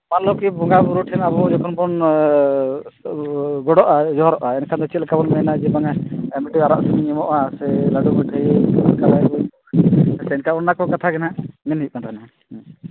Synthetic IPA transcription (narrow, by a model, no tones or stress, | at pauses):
manlɔkibʱuŋɡabuɾuʈʰɛnaβɔd͡ʒɔkʰɔnbɔn | ɡɔɽɔʔad͡ʒɔɦɔɾɔʔaɛnkʰand̪ɔt͡ʃit̪̚lɛkabɔnmɛnad͡ʒɛbaŋaɛmiʈiaɾaʔsimiɲimɔʔasɛlaɖubɛʈʰaiankalajbɔiɔsɛɛnkaɔnnakɔkat̪ʰaɡɛnamɛnɦit̪̚kanɾɛna